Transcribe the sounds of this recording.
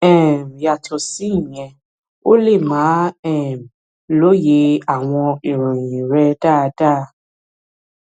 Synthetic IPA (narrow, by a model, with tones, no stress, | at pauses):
ɛ˦˨m̩˨ja˨tʰɔ˨si˦˨ɲɛ̃˨ | o˦le˦˨mãː˨˦ɛ˦˨m̩˨ | lo˦je˨˧a˨w̃ɔ̃˧i˨ɾũ˨ĩ˨ɾɛ˧daː˦˨˧da˦